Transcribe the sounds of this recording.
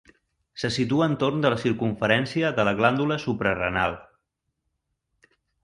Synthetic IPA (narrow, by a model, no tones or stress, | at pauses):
səsit̪uəːnt̪ornd̪ələsiɾkuɱfəɾɛnsiəðələɣland̪uləsupɾərə̰na̰lˠ